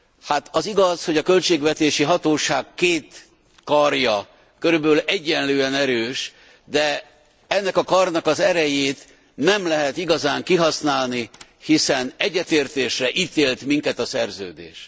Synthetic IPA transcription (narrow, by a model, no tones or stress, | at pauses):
hat̪ɒziɡɒsho̞ɟɒkø̞lt͡ʃeːɡvɛt̪eːʃiɦɒt̪oːʃaːkːkːeːt̪ | kɒrjɒ | køɾyblɛɟːɛnløːɛnɛɾøːʃ | d̪ɛ | ɛnːɛkɒkɒrnɒkɒzɛɾɛjeːt̪ | nɛmlɛɦɛt̪iɡɒzaːŋkiɦɒsnaːlnihisɛnɛɟːɛt̪eːrt̪eːʃrɛʔiːt̪eːlt̪miŋkɛt̪ɒsɛrzø̰ːd̪ḛːʃ